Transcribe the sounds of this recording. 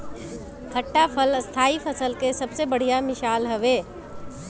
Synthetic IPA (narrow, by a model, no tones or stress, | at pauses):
t̪ʰəʈːapʰəlst̪ʰaːipʰəsəlkesɐbsebəɽ̤ijamɪʃaːlɦɐʋeː